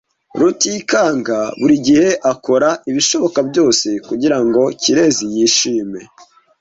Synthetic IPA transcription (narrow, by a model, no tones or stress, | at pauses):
ɾutikaːŋɡaβuɾiɟihe̞ʔako̞ɾaiβiʃo̞βo̞kabjo̞ːse̞kuɟiɾaŋɡo̞ciɾe̞zijiːʃiːme̞